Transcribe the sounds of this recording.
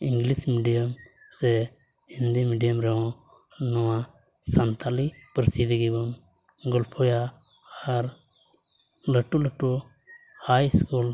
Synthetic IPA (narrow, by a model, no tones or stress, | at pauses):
iŋɡlismiɖijəm | sɛ | hĩnd̪imiɖijəmɾɛɦɔ̃ | nɔwã | sant̪ʰalipəɾsid̪iɡibɔn | ɡɔlpʰɔja | aɾ | ləʈuləʈu | hajskul